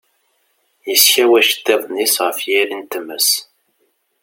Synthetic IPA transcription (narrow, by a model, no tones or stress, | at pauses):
jəsçæwæʃə̥t̪ːeðˤnisʁəfjiɾint̪əmːəs